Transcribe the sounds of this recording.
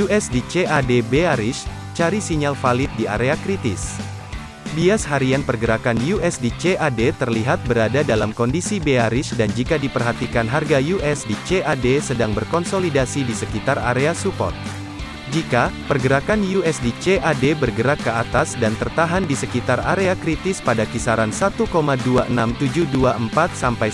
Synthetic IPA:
juʔɛsdit͡ʃeadebeaɾɪs | t͡ʃaɾisiɲalfalɪt̪̚dia̰ɾeakɾit̪ɪ̰s | biashaɾianpərɡəɾakanjuɛsdit͡ʃeʔadet̪ərliɦat̪̚bəɾadadalamkɔndisibeaɾisdand͡ʒikadipərɦat̪ikanɦarɡajuʔɛsdit͡ʃeʔadesədaŋbərkɔnsolidasidisəkit̪ara̰ɾeasupɔ̰rt̪̚ | d͡ʒikapərɡəɾakanjuɛsdit͡ʃeʔadebərɡəɾakːəat̪asdant̪ərt̪aɦandisəkit̪araɾeakɾit̪ɪspadakisaɾansat̪ukomaduaʔənamt̪ud͡ʒuhduaʔəmpat̪̚sampaj

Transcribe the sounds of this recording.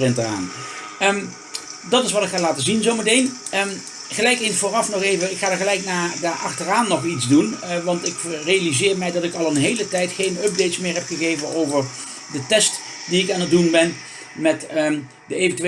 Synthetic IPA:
rɪntəa̰ːn | ə | dɑtɪsʋɑtɪkχaːlaːtəzinzowmətejn | ə | χəlɛjkensfoːrɑfnɔχejvəɪkχaːdəɹɣəlɛjknaːdaːɹʔɑ̰χtəraːnːɔχitzdunʋɑntɪkrejalizɪːɹmɛjdɑtɪkɑlˠənɦejlətɛjtχejnɵp̚dejtsmɪːɹɦɛpχəɣejvənowvəɹ | dətɛst | diɪkaːnət̚dunbɛn | mɛt | dəejvəntyʋe

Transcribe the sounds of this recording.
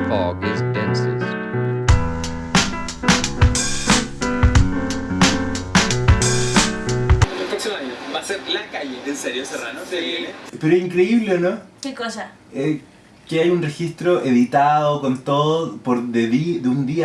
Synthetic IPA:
okest̪ensḛs | oelpɾoksimoaɲobaseɾlakajeenseɾjosera̰noseilepeɾoehiŋkɾeiβleonokekosa | e | keajunreçist̪ɾoʔeðit̪aðokont̪oðopoɾðeðiðeund̪ia

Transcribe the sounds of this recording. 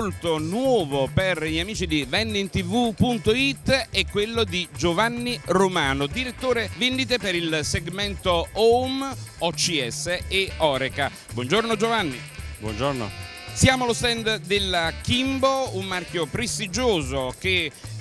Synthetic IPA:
lt̪onwɔːvoperiamiːt͡ʃid̪ivɛnːint̪ivupunt̪oit̪ːɛkːwelːod̪id͡ʒovanːiromaːnod̪iɾet̪ːoːɾevend̪it̪̬epeɾilseɡmɛnt̪oomɔt͡ʃiɛsːeːɔːɾeka | bwɔnd͡ʒornod͡ʒovanːi | bwɔ̰nd͡ʒorno̰ | sjaːmolost̪ɛnd̪d̪elkimboumːarkjopɾest̪id͡ʒoːzoke

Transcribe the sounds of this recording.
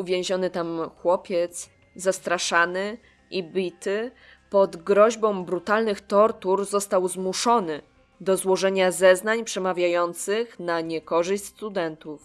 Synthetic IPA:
uvʲjɛ̃w̃ʑɔnɘt̪amxwɔpʲjɛt̪s | zast̪ɾaʂanɘ | ʔibʲit̪ɘ | pɔd̪ɡɾɔʑbɔ̃w̃bɾut̪alnɘxt̪ɔɾt̪uɾzɔst̪awzmuʂɔnɘ | d̪ɔzwɔʐɛɲazɛznaɲpʂɛmavʲjajɔnt̪sɘxnaɲɛkɔʐɘɕʲst̪ud̪ɛnt̪uf

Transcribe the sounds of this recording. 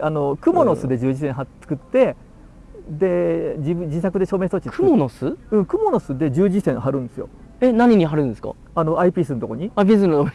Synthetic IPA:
ano̞kɯ̟mono̞sɨd̪e̞d͡ʑɨːd͡ʑisẽ̞ɰ̃ɦat͡sɨ̥kɯ̟t̪ːe̞ | d̪e̞d͡ʑiɯd͡ʑisakɯ̟d̪e̞ɕo̞ːme̞ːst̪ot͡ɕit̪k̪ɯmonosɨɯ̟̃ɴkɯ̟mo̞no̞sɨd̪e̞d͡ʑɨːd͡ʑisẽ̞ɰ̃haɾɯ̟̃nd̪esɨjo̞̰ | enaɲ̟iɲ̟iɦaɾɯ̟̃nd̪esɨ̥ka̰ | ano̞aipʲiːs̬ɨnt̪o̞ko̞ɲ̟iaip̬ʲisɨno

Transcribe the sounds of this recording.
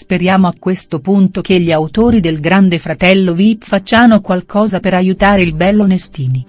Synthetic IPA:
speɾjaːmoakːwest̪opunt̪ok̟eʎːiawt̪oːɾid̪elɡɾand̪efɾat̪ɛlːovifat͡ʃːanokwalkʰɔːzapeɾajut̪aːɾeilbɛlːonest̪iːni

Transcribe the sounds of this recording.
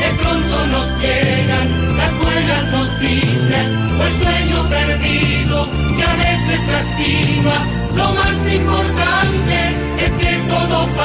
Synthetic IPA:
epɾõnt̪onoske | ɣaŋ | lazβwenaznot̪isjas | elsweɲopeɾði | ðo | k̪eaβesesaesk̪ima | lomasimpoɾt̪ant̪e | esket̪oðop

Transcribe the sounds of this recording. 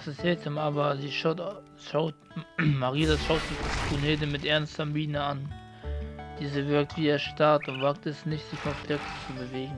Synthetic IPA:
sɪshɛːtʰəmaːbɐziːʃ | ʃaʊt | maʁiːaʃaʊtz̥iːtʰuneːdəmɪtʔɛɐnstɐmbiːnəan | d̥iːzəvɪɐk̚tv̥iːeːɐʃtaɐtʊntv̥aːk̚tɛsnɪçtz̥ɪçkʰɔflɪk̚tt͡subəveːɡŋ̩

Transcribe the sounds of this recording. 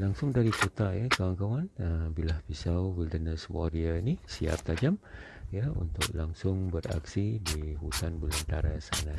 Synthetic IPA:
laŋsʊŋdaɾikut̪aʔjakawankawanəmbilahpisawwilt̪ənəswo̰ɾianisia̰p̚t̪ad͡ʒam | jəṵnt̪ʊ̰ʔlaŋsʊŋbəra̰ksidihut̪anbələnt̪aɾasa̰na

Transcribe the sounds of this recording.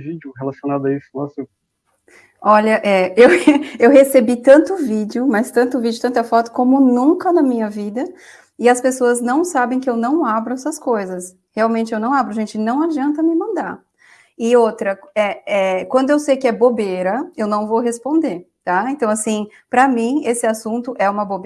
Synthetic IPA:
vid͡ʒʊhelasionad̪ʊɐislase | ɔʎɐʔɛewewhesebit̪ɐ̃nt̪ʊvid͡ʒɪʊmɐst̪ɐ̃nt̪ʊvid͡ʒɪʊt̪ɐ̃nt̪ɐfɔt̪ʊ̥kõmʊnũŋkɐnɐmĩɲɐvid̪ɐ | ɪɐspesoɐznɐ̃w̃sabẽj̃kɪewnɐ̃w̃abɾʊɛsɐskojzɐs | heawmẽnt͡ʃɪewnɐ̃w̃abɾʊɐʒẽnt͡ʃɪnɐ̃w̃ad͡ʒiɐ̃nt̪ɐmɪmɐ̃nd̪aɾ | ɪot̪ɾɐɛɛkwɐ̃nd̪ʊewsejkɪɛbobejɾɐewnɐ̃w̃vowɦespõnd̪eɾt̪aẽnt̪ɐ̃w̃asĩ | pɾɐmĩesɪasũnt̪ʊʔɛũmɐbobe

